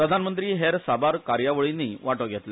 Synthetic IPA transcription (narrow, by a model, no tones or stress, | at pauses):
pɾəd̪ʱanmənt̪ɾiːɦeɾsabaɾkaɾjaʋəɭinːiːʋaʈəɡʱjɛt̪le